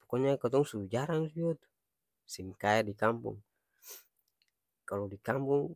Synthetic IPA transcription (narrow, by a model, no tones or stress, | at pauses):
pɔkɔɲakat̪ɔŋsud͡ʒaɾaŋsiɔt̪u̥ | simkaɛdikampṵŋ | kalɔdikampuŋ